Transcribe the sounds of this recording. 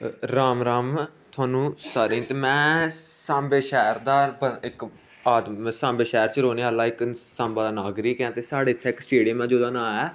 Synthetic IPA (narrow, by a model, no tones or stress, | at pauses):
ɾaːmɾaːmt̪ʰʊaːnũːsaːɾẽːt̪eːmɛ̃ːsãːmbeːʃɛːɾd̪aːbɪk | aːd̪sãːmbeːʃɛːɾt͡ʃəɾoːneːaːlːaːɪksãːmbaːd̪aːnaːɡɾiːkãːt̪eːsaːɽeːɪt̪ʰːɛːɪksʈeːɖiəmãːd͡ʒoːd̪ãːnãːɛː